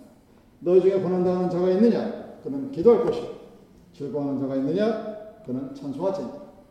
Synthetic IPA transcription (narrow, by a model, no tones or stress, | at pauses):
nʌid͡ʑuŋe̞ponɦandaɦnɯnd͡ʑʌɡainːɯɲakɯnɯnkidʌɭk͈ʌɕʰi | t͡ɕiɭɡoɦanɯnd͡ʑaɡainːɯɲakɯnɯnt͡ɕʰansʰoɦad͡ʑinda